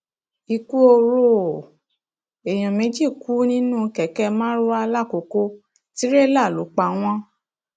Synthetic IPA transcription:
i˧ku˦o˧ɾo˦˨ | e˨j̃ɔ̃˨mẽ˨˦d͡ʒi˦˨ku˨˦nĩ˦nũ˦˨˧kɛ˨kɛ˧mãː˦ɾo˦a˧la˦˨ko˨ko˧ | ti˦ɾe˦la˦˨lo˨˦k͡pa˧w̃ɔ̃˦

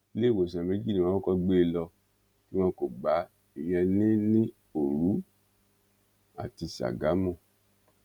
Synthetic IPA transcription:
le˦˨wo˨sã˨mẽ˨˦d͡ʒi˦nĩ˦wɔ̃˦kɔ˧ɡ͡be˦˧lɔ˧ | ki˦w̃ɔ̃˧ko˨ɡ͡ba˨˦ | i˨j̃ɛ̃˧nĩ˦nĩ˦ | o˨ɾu˨˦ | a̰˨ti˧sa̰˨ɡa˨˦mɔ̃˦˨

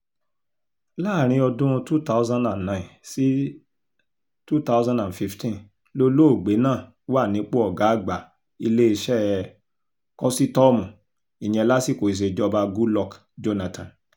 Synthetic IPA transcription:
la˦˨ɾ̃ĩ˧˦ɔ˧dũ˦˧tu˦ta˦ʊ˦zã˦ndã˨nnã˨˦ĩ˨si˦ | tu˦ta˦ʊ˦zã˦ndã˨fi˧ftĩ˦n | lo˧lo˦o˦˨ɡ͡be˨˦nãː˦˨ | wa˦˨nĩ˨˦k͡po˦ɔ˦˨ɡa˨˦˨ɡ͡ba˨ | i˧le˦i˧ʃɛ˦˨ | kɔ˦si˦tɔ˦mũ˨ | i˨j̃ɛ̃˧la˦si˦˨ko˨i˨s̬e˧d͡ʒɔ˧ba˧ɡu˦lɔ˦˨k | d͡ʒo˦na˧tã˨n

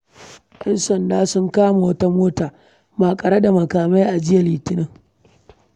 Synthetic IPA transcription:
ʔɛ˦nsɐ˨ndaː˦sʊ˦ŋkaː˦ma˨wɐ˦ta˦moː˦taː˨ | maː˨kʼɐ˨ɽa˦da˨mɐ˨kaː˨ma˦jʔa˨d͡ʒɪ˦ja˨liː˨tɪ˦nɪ˦ŋ

